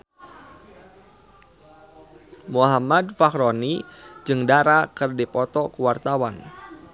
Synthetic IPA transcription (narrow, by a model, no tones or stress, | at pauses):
muɦamadfakɾonid͡ʒɨŋdaɾakɨrdipɔt̪ɔkuwart̪awan